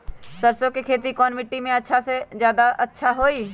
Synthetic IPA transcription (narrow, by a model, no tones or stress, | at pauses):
səɾsõkekʰeːt̪ikɔːnmɪʈːimẽɐtːʃʰasezjaːd̪aʔɐtːʃʰaɦoːiː